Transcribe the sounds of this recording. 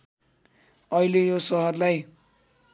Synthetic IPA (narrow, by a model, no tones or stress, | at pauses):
ʌilejosʌɦʌrlaj